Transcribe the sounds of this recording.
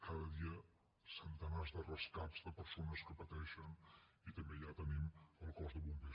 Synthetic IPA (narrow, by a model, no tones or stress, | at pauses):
kaðəðiə | sənt̪ənazðərəskapz̥dəpəɾsonəskəpət̪ɛʃənit̪əmbeʒat̪əniməlˠkɔzðəβumbe